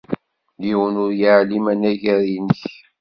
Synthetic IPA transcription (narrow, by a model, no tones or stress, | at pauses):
liwənʊɾjaʕlimænæʝæɾinəç